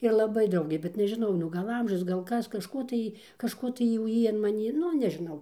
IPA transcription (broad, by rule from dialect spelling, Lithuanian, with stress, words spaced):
ɪr lˠɐˈbɐɪ ˈdrɐʊɡʲeː bʲɛt nʲɛʒʲɪˈnɐʊ nʊ ˈɡɐlˠ ˈɐmʲʒʲʊs ˈɡɐlˠ ˈkɐs kɐʃˈkoː tɐɪ kɐʃˈkoː tɐɪ jɛʊ ˈjiː ɐn mɐˈnʲiː ˈnʊ nʲɛʒʲɪˈnɐʊ